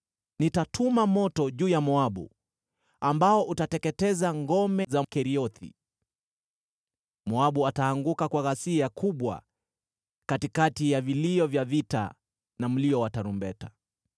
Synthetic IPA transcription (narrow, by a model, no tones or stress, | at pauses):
nitatʰumamɔtɔʄuːjamɔaɓṵ | ambaɔʔutatɛkɛtɛzaŋɡɔmɛzam̩kɛɾiɔθḭ | mɔaɓuataːŋɡukakwaɣasiakʰuɓwa̰ | katikatijaviliɔvjavita̰ | nam̩liɔwataɾumbɛta